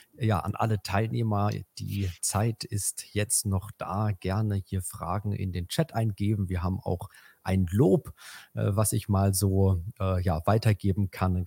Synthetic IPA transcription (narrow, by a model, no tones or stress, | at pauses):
ja̰ːʔa̰nʔa̰lətʰaɪlneːmɐd̥ḭːt͡saɪtɪstjɛt͡stnɔχd̥a̰ːɡ̥ɛɐnəhiːɐfʁ̥a̰ːɡŋ̩ʔɪ̰ndeːnt͡ʃɛtʔaɪnɡeːbm̩viːɐɦaːbm̩a̰ʊxʔaɪnloːpʔɛ̰vasɪçmaːlzoːʔɛːjaːvaɪtɐɡeːbm̩kʰan